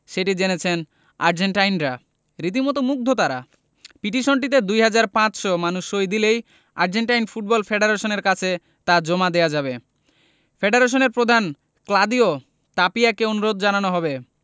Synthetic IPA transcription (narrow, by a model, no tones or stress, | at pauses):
ʃeʈid͡ʑenet͡ɕʰen | a̰ɾd͡ʑeɳʈajnɾa | ɾit̪imɔt̪omuk̚d̪ʱot̪aɾa̰ | piʈiʃonʈ̬it̪̬ed̪ujɦad͡ʑaɾpãt͡ɕʃɔmanuʃːojd̪ilej | a̰ɾd͡ʑeɳʈajnfuʈ̚bɔlfʰeɖeɾeʃoneɾkat͡ɕʰe | t̪ad͡ʑomad̪ejad͡ʑaβe | fʰeɖeɾeʃ̬oneɾpɾod̪ʱan | klad̪io | t̪apiakeonuɾod̪d͡ʑananoɦɔbe